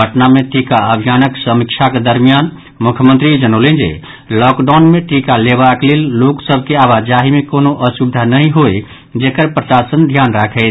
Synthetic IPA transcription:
əʈnameʈikaəbʱijanəksəmikt͡ʃʰaked̪əɾmijan | mukʰjəmənt̪ɾid͡ʒənolend͡ʒḛ | lɔkɖaʊnmeʈikaleβaklelːoksəbʱkeaβad͡ʒaɦimekonoʔəsubd̪ʱanəɦĩɦoj | d͡ʒekəɾpɾəsasənd̪ʱjanɾakʰɛɪ

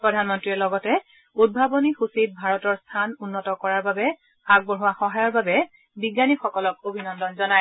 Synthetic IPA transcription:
pɹɔdʱanmɔntɹiɛlɔɡɔtɛ | ud̚bʱabɔnixusit̚bʱaɹɔtɔɹstʰanunːɔtɔkɔɹaɹbabɛ | aɡ̚bɔɹuwaxɔɦajɔɹbabɛ | biɡanixɔkɔlɔkobʱinɔndɔnzɔnaj

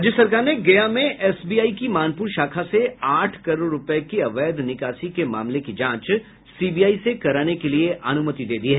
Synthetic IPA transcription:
d͡ʒjəsɐɾkaːɾneɡeːjamẽʔɛːsbiːaːikimaːnpuːɾʃaːkʰaseaːʈʰkɐɾoːɾɾʊpɛkiɐʋɛːd̪nɪkaːʃikema̰ːmlekid͡ʒãːt͡ʃ | siːbijaːisekɐɾaːnekelieʔɐnʊmət̪id̪eːd̪iɦɛ

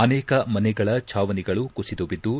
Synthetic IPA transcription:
ɐnɛːkɐmɐnɛɡɐɭɐt͡ʃʰaːʋɐniɡɐɭukusid̪oʋid̪ːu

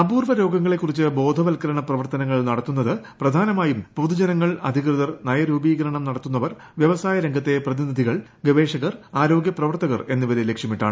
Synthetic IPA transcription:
ɐbuːrʋɐɾo̞ːɡɐŋːɐɭe̞kːurit͡ɕːɨbo̞ːd̪ʱɐʋɐlkɐɾɐɳɐprɐʋɐrt̪ɐnɐŋːɐɭnɐɽɐt̪ːunːɐðɨprɐd̪ʱaːnɐmaːjumpud̪ud͡ʑɐnɐŋːɐɭɐ̰d̪ʱikrɨðɐrnɐjɐɾuːbiːɡɐɾɐɳɐmnɐɽɐt̪ːunːɐʋɐr | ʋjɐʋɐsaːjɐɾɐŋɡʱɐt̪ːe̞prɐðinid̪ʱiɣɐɭɡeʋe̞ːʂɐɣɐraːɾo̞ːɡjɐprɐʋɐrt̪ɐɣɐre̞nːuʋɐlɐlekʂɐmiʈːaːɳɨ

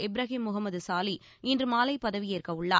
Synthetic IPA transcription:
ɛbɪɾɐɣimːʊɣɐmːɐðɯsaːli | ɪndrɯmaːlɐɪpːɐðɐʋijeːrkɐʋɯɭːa̰ː

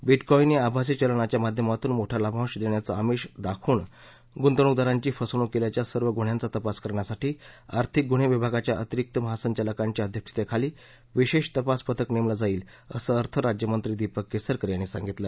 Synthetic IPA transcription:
biʈkɔiniabʱas̬it͡ɕəlɳat͡ɕjamad̪ʱjəmat̪uːnmoʈʰalabʱãwɕd̪eɳjat͡saəmiɕd̪akʰuːɳ | ɡunt̪əɳ̃ud̪aɾãɲt͡ɕiːfəsoɽ̃ukeljat͡ɕjasəɾʋəɡʱuɽ̤jant͡sat̪əpaskəɾɳjasaʈiːa̰ɾt̪ʰik̚ɡuɽ̤̃eʋibʱaɡat͡ɕjaʔət̪iɾik̚t̪əməɦasəɲt͡ɕaləkãɲt͡ɕiəd̪ʱjəkʂi̥t̪ekʰaliː | ʋiɕeɕt̪əpaspət̪əknemlad͡zaiːl | ə̰səəɾt̪ʰəɾad͡ʑjəmənt̪ɾiːd̪ipəkːesəɾkəɾjañisa̰ŋɡit̪lə

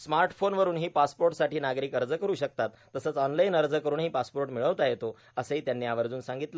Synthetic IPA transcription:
smaɾʈfonʋəɾuːnɦiːpaspoɾʈsaʈiːnaɡɾiːkəɾd͡zəkəɾuːɕək̚t̪at̪ːəsət͡sɔnlainəɾd͡zəkəɾuːnɦiːpaspoɾʈmiɭəʋt̪ajet̪o | əsəɦiːt̪janːiːaʋəɾd͡zuːnsaŋɡit̪lə

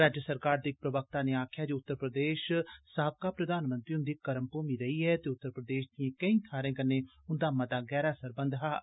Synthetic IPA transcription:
ɾaːd͡ʒəsəɾkaːɾd̪iːɪk̚pɾəʋək̚t̪aːneːaːkʰjaːd͡ʒoːʊt̪ːəɾpɾəd̪eːʃsaːəb̚kaːpɾəd̪aːnmə̃nt̪ɾiːʊnd̪iːkəɾəmpoːmiːɾəɦiːɦɛːt̪eːʊt̪ːəɾpɾəd̪eːʃd̪iẽːkəĩːt̪ʰaːɾẽːkənːeː | ʊnd̪aːmãːd̪aːɡɛːɾaːsəɾbənd̪ɦaː

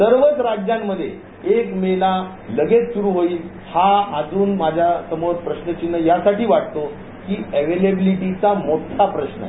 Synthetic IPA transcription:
səɾʋət͡sɾad͡ʑjamːəd̪ʱːjḛ | ekmela | ləɡet͡ssuɾuːɦoiːl | haəd͡zuːnmad͡ʑʱjasəməɾpɾəɕnət͡ɕinːəjasaʈiːʋaʈ̚t̪o | kiːəʋelebiliʈit͡samoʈʰapɾəɕnə̰

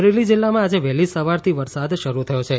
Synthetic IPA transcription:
ɾelid͡ʒɪlːamãad͡ʒeʋɛlisəʋaɾt̪ʰiʋəɾsad̪ʃəɾut̪ʰəjot͡ʃʰe

